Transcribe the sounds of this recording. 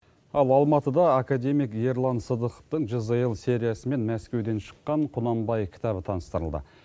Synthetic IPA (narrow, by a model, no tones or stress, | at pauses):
ɑlˠɑlˠmɑt̪əd̪ɑːkad̪e̞mijkje̞ɾlˠɑnsəd̪əqə̥ft̪əɴʒəzəjəlˠse̞ɾijasəme̞nmæskʲe̞wd̪e̞nʃə̥qːɑɴqʰʊnɑmbɑjkʲʰɪ̥t̪ɑβət̪ʰɑnəst̪əɾəlˠd̪ə̰